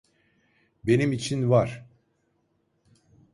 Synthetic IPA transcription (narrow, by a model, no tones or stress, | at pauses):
be̞nimit͡ʃʰinvaɾ̥